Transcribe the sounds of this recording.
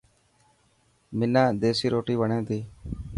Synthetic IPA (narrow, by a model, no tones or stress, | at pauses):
mɪnãːd̪eːsiːɾoːʈiːʋəɳẽːd̪iː